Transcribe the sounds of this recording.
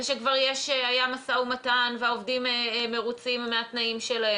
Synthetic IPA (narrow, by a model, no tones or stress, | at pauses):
eʃekvaʁjeʃeajamasaumatanveaovdimeme̞ʁut͡simːeatnaimʃelae